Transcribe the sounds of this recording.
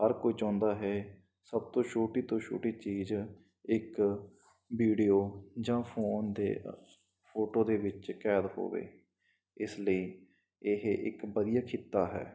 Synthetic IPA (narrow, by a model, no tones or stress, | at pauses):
ɦəɾkoiːt͡ʃãːnd̪aːɦɛː | səb̚t̪õːʃʰoːʈiːt̪õːʃʰo̰ːʈiːt͡ʃiːz | ɪk | ʋiːɖijoːd͡ʒãːpʰoːnd̪ḛː | pʰoːʈoːd̪eːʋɪt͡ʃkɛːd̪ho̰ːʋḛː | ɪsləiː | ɪɦʔɪ̰kbəd̪ijaːkʰɪt̪ːaːɦɛ̰ː